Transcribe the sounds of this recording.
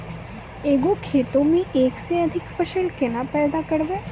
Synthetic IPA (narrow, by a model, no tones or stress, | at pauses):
eːɡokʰeːt̪õmẽʔeːkseɐd̪ʱɪkfəʃəlkɪnapɛːd̪akəɾʋeː